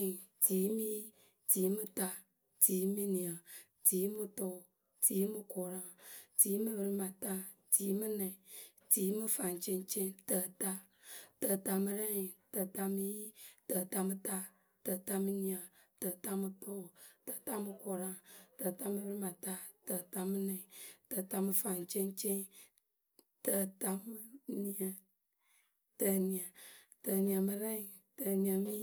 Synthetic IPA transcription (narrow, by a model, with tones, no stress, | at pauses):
ti˨˦mi˦ | ti˨˦mɨ˦ta˦ | tiː˨˦mi˦ni˨ə˨ | tiː˨˦mɨ˦tʊ˦˨ | tiː˨˦mɨ˦kʊ˨ɾa˦ŋti˨˦mɨ˦bɨ˦ɾɪ˦ma˨ta˦ | ti˨˦mɨ˦nɛ˨ | ti˨˦mɨ˦fa˨nt͡ʃe˦nt͡ʃe˦ntə˨ta˦ | tə˨ta˧mɨ˦ɾɛ˦ŋ˨tə˨ta˧mi˦ji˦tə˨ta˧mɨ˦ta˦ | tə˨ta˧mɨ˧ni˨ə˨ | tə˨ta˦mɨ˧to˦˨tə˨ta˦mɨ˧ko˨ɾa˦ŋtə˨ta˦mɨ˦bɾi˦ma˨ta˦tə˨ta˧mɨ˦nɛ˨ŋ˨tə˨ta˧mɨ˧fa˨nt͡ʃe˦nt͡ʃe˦n | tə˨ta˧mɨ˦ni˨ə˨ | tə˨ni˨ə˨ | tə˨ni˨ə˨mɨ˨˦ɾɛ˦ŋ˨ | tə˨ni˨ə˨mɨ˦